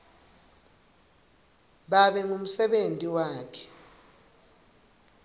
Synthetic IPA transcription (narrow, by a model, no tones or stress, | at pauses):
ɓaɓɛŋum̩sɛɓentʼiwaːkʰɛ̥